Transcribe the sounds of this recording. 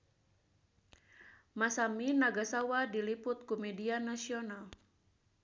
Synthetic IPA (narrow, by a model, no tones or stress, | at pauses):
masaminaɡasawadilipʊt̪̚kumɛdianasiɔnal